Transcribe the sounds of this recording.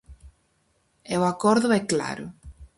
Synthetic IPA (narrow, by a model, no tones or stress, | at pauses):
ewakɔɾðʊɛkla̰ɾʊ